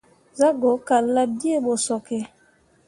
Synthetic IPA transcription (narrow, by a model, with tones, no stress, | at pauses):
za˦ɡo˨˦ka˨la˦di˦e˦˨ɓo˨sɔ˨kɛ˨